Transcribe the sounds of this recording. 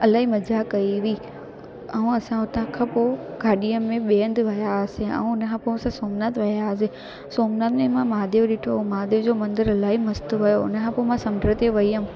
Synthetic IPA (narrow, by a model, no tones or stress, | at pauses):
ɐlaːɦimɐd͡ʑakɐiʋi | ɐũɐsãʊt̪ãkʰãpoːɡʱaːɗijəmẽɓeːə̃nd̪ʋɐjasẽɛ̰̃ũʊnəkʰãpoːɐsãsoːmnat̪ʋɐjaːs̬ẽ | soːmnat̪mẽmãmaːd̪eːʋɗɪʈʰomaːd̪eːʋd͡ʑoːmɐ̃nd̪əɾɐlaːɦimɐst̪ʋɐjoʊ̰nə̆kʰãːpoːmãsɐ̃md͡ʑəɽt̪eʋɐiə̃